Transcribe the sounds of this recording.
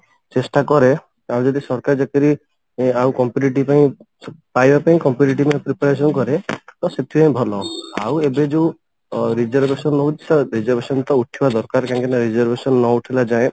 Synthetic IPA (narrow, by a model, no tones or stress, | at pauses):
t͡ʃesʈakɔɾe | aw̃d͡ʒɔd̪isɔɾkaɾd͡ʒakiɾi | awkɔmpjuʈiʈ̬ipaĩ | pajbapaĩkɔmpjuʈiʈ̬ipaĩpɾipaɾes̬ɔnkɔɾet̪ɔset̪ʰipaĩbʱɔlɔa̰webed͡ʒeũ | ɾid͡ʒɔɾbesɔnnɔud͡ʒi̥saɾid͡ʒɔɾbʱesɔnt̪ɔuʈʰibad̪ɔɾkaɾkãkenaɾid͡ʒɔɾbʱesɔnːɔuʈʰilad͡ʒaẽ